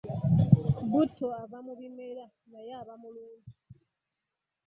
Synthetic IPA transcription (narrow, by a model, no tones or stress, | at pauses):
butʰoaβamuβimeɾa | najaβamuluːɲɟi